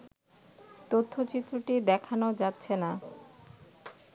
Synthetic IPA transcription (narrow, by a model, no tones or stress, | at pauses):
t̪ot̪ʰːot͡ɕit̪ːɾuʈid̪ɛkʰanod͡ʑatːɕʰena